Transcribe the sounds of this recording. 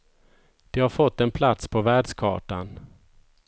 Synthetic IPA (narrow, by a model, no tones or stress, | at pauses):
d̪̥ɛhaɾfɔt̪ːɛnpʰlat̪spʰɔvæːɖʂkʰɑ̰ːʈan